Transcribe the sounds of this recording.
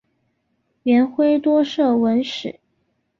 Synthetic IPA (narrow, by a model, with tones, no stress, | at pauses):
ɥɛ˧˥nxwe˥ɪt̪wɔ˥ʂɤ˥˩wə˧˥nʂɻ̩˨˩˦